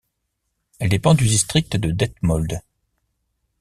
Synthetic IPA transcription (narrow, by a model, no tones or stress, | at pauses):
ɛld̪epɑ̃d̪yd̪ist̪χik̚t̪d̪əd̪ɛt̪mɔld̪